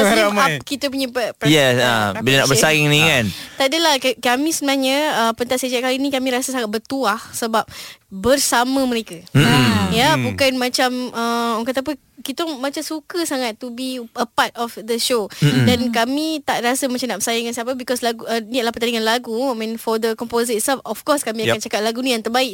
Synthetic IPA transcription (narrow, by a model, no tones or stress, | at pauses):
akit̪əp̬uɲãpəpjɛsə̰bilanaʔbəsajaŋniŋant̪adəlahkkamĩsənaɲə̃əpənt̪atsed͡ʒakalinĩkamĩɾasəsaŋat̪̚bərt̪uahsəbap̚bərsamə̃mə̃ɾeka | jabukanmãt͡ʃaməɔŋkat̪ap̬ə | kit̪oŋmãt͡ʃamsukəsaŋat̪ːubiəpat̪̚ɔfd̪əʃodankamĩt̪aʔrasəmat͡ʃamnaʔpəsajaəŋansiap̬əbikɔslaɡuəniʔ̚lahpərt̪aniŋanlaɡumɛ̃nfɔd̪əkɔmpozəttsɛlfɔfkɔskamĩaant͡ʃakat̚laɡunĩjãŋt̪ərbaiʔ̚